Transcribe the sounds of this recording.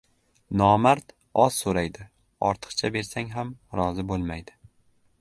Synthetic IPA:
nɒmaɾt̪ | ɒz̥soɾajd̪ɪ | ɒ̰ɾt̪ʰɨ̥qt͡ʃʰabe̞ɾsaŋɦamɾɒzɪbolˠmajd̪ɪ

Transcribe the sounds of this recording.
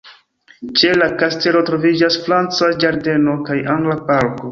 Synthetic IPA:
t͡ʃe̞lakaste̞lo̞tɾo̞vid͡ʒasfɾant͡sad͡ʒaɾde̞no̞kajaŋɡlapaɾko̞

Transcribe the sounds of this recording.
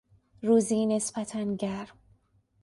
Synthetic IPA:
ruːziːne̞sbæt̪ʰænɟæɾm

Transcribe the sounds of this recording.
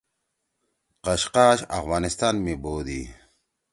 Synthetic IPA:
qɐɕqaːɕɐ̰fwaːnist̪aːnmiboːd̪i

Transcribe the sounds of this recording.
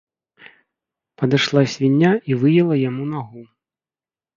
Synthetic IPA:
pɐd̪ɨʂlˠasʲvʲinʲːaʔivɨjɛlˠɐjamunaɣu

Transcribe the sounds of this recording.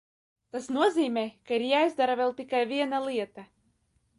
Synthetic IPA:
t̪asnuɔziːmʲɛːkaiɾjaːjzd̪aɾavʲɛlˠt̪ikajvʲiɛnalˠiɛt̪a

